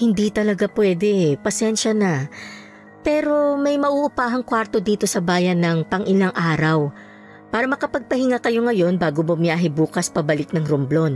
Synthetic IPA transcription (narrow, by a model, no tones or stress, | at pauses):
hɪnd̪it̪ɐlɐɡapwɛd̪ɛpɐsɛnʃɐnɐ | pɛːɾo̞mɐjmɐʔuːʔʊpaːɦɐŋkwaɾt̪o̞d̪iːt̪o̞sɐbaːjɐnːɐŋpɐŋʔɪlaŋʔaːɾɐw | paːɾɐmɐkɐpɐɡ̚pɐhɪŋakɐjo̞ŋɐjo̞nbaːɡomʊmjaːɦɪbuːkɐspɐbɐlɪk̚nɐŋɾʊmblon